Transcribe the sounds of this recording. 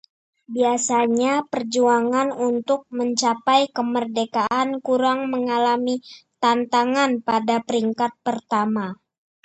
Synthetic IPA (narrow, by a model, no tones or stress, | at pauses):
biasaɲapərd͡ʒuaŋanunt̪ʊk̚məɲt͡ʃapajkəmərdekaʔankuɾaŋməŋalamit̪ant̪aŋanpadapəɾiŋkat̪̚pərt̪ama